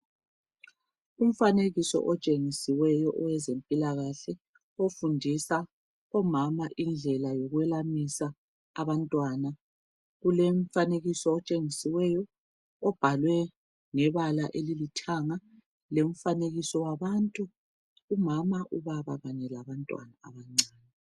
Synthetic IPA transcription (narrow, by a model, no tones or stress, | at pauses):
um̩faneɣisɔ̰ʔɔt͡ʃʼeŋisiwɛjɔʔɔwɛzempʼilaɣaɬɛ | ofundʱisa | ɔmamaʔind͡ɮʱɛlajɔɣwɛlamisa | aβantʼwaːna | ɣulem̩faneɣisɔːt͡ʃʼeŋisiwɛjɔ | ɔb̥ʱalwɛ | ŋɛβalaʔelilitʰaŋa | leɱ̩faneɣisɔwaβantʼuː | mamaʔuβaβaβaɲɛlaβantʼwa̰naːβaŋ͡ǀaːnɛ